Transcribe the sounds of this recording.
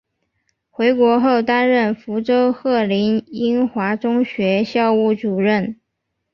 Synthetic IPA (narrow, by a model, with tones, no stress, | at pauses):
xwe˧˥ɪkwɔ˧˥xo˥˩ʊt̪a˥nɻə˥˩nfu˧˥ʈ͡ʂo˥ʊxɤ˥˩li˧˥ni˥nxwa˧˥ʈ͡ʂʊ˥ŋɕɥɛ˧˥ɕjɑ˥˧ʊu˥˩ʈ͡ʂu˨˩ɻə˥˩n